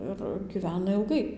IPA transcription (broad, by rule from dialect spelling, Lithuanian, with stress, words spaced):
ɪr ɡʲiːˈʋʲæːnɐ ɪlˠˈɡɐɪ